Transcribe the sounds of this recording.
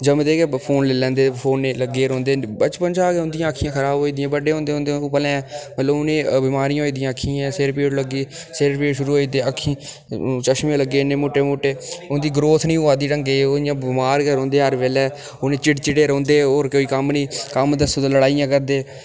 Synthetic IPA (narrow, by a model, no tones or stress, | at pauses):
d͡ʒəmd̪eːkepʰoːnleːlɛ̃ːnd̪eːpʰoːneːləɡeːɾɔ̃ːnd̪eːbət͡ʃpənd͡ʒaːkeːʊ̃nd̪ɪjãːəkʰːɪjãːkʰəɾaːbɦoːiːd̪ɪjãːbəɖeːɦõːnd̪eːõːnd̪eːpəlɛ̃ːɛ̃ːmət̪ləbʊnẽːbɪmaːɾijãːɦoːiːd̪ɪjãːəkʰːiːɛ̃ːseɾpeːɽləɡeː | seɾpeːʈʃʊɾuːɦoːiːt̪eːəkʰːĩː | t͡ʃəʃmãːləɡeːneːmoːʈeːmoːʈeːʊnd̪iːɡɾoːt̪ʰnĩːʊaːd̪iːɾəŋɡeːoɪjãːbɪmaːɾkɛːɾõːnd̪eːɦəɾʋeːlɛː | oːnẽːt͡ʃɪʈt͡ʃɪɽeːɾɔ̃ːnd̪eːoːɾkoːiːkəmnĩːkəmd̪əsoːd̪ãːləɽaːijãːkəɾd̪eː